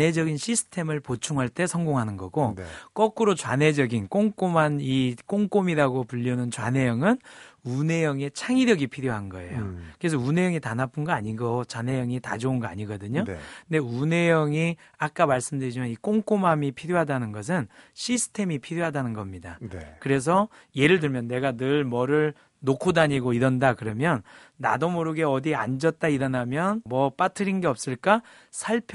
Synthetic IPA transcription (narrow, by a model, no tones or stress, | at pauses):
e̞d͡ʑʌɡinɕʰisʰɯ̥tʰe̞mɯɭpot͡ɕʰuŋɦaɭt͈e̞sʰʌŋɡoŋɦanɯnɡʌɡok͈ʌk͈ɯɾot͡ɕwane̞d͡ʑʌɡink͈oŋk͈omanik͈oŋk͈omiɾaɡopuʎːʌnɯnt͡ɕwane̞jʌŋɯnune̞jʌŋe̞t͡ɕʰaŋiɾjʌɡipʰiɾjoɦanɡʌ̰e̞̰jokɯes̬ʰʌune̞jʌŋitanapʰɯnɡʌaɲiɡʌt͡ɕwane̞jʌŋita̰d͡ʑʌunɡʌa̰ɲiɡʌdɯɲonknde̞une̞jʌŋi | ak͈amaɭs͈ɯmdɯɾid͡ʑimanik͈oŋk͈omamipʰiɾjoɦadanɯnɡʌs̬ʰɯnɕʰisʰɯ̥tʰe̞mipʰiɾjoɦadanɯnɡʌmɲidakɯɾe̞s̬ʰʌ | je̞ɾɯɭt̬ɯɭmjʌnːe̞ɡanɯɭmʌɾɯɭ | nokʰodaɲiɡoiɾʌndakɯɾʌmjʌnː | a̰domoɾoɡe̞ʌdiand͡ʑʌt̚t͈aiɾʌnamjʌnmʌp͈atʰɯɾinɡeʌp̚s͈ɯɭk͈a | sʰaɭpʰ